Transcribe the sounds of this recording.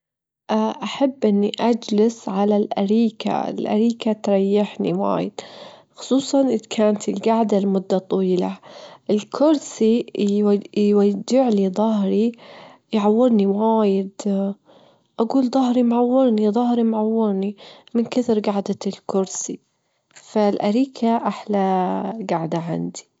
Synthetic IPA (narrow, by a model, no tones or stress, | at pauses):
ʔaʔaħabːʔɪnːiʔad͡ʒlɪsʕalalʔa̰ɾiːka̰ɪ̰lʔa̰ɾiːkat̪ɾˤɑjːɪħnḭwa̰ːjɪ̰d̪̥xʊ̥sˤuːsˤɑnʔɪðkʰaːnt̪ɪlɡaʕd̪almʊd̪ːat̪ˤɑwiːlaʔɪlkʰʊɾsi | wad͡ʒːɪʕliðˤɑɦɾi | jʕawːɪɾniwaːjɪd̪ | ʔaɡuːld̪ˤɑɦɾimʕawːɪɾniðˤɑhɾimʕawːɪɾnimɪnkɪθɾɡaʕd̪aɪlkʊɾsi | falʔaɾiːkʰaʔaħlaɡaʕd̪aʕa̰nd̪i̥